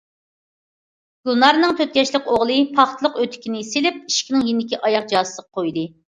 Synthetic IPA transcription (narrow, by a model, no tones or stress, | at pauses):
ɡʲulˠnɑɾnɨŋt̪ʰøt̪̚ɡʲɛʃlɪkʲoʁlˠɨpʰɑχt̪ʰɨlˠəqøt̪ʰɪ̥kʲinɪselɪp̚iʃkʲinɪŋjind̪ɪkʲiʔɑjɑq̚d͡ʒɑːsə̥əqqʰojd̪ɨ